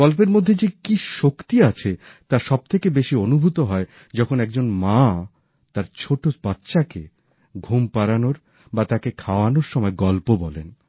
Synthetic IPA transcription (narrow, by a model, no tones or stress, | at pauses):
ɡɔlpeɾmod̪ʱːed͡ʑekiʃokt̪iat͡ɕʰe | t̪aʃɔb̚t̪ʰekebeʃionubʱut̪oɦɔe | d͡ʑɔkʰonɛk̚d͡ʑonma | t̪aɾt͡ɕʰoʈob̥at̪ːɕake | ɡʱumpaɾanoɾ | bat̪akekʰaoanoɾʃɔmɔeɡɔlpobɔlḛn